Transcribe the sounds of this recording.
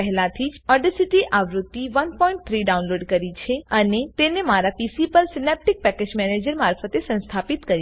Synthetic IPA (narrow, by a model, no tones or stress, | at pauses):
əɦlãt̪ʰid͡ʒəɖəsiʈiʔʔaʋɾut̪ːiʋənpɔĩɳʈ̚t̪ʰɾiɖaũnloɖkəɾit͡ʃʰeənet̪enemaɾapisipəɾsinep̚ʈik̚pɛked͡ʒmɛned͡ʒəɾmaɾfət̪esə̃nst̪ʰapit̪kəɾi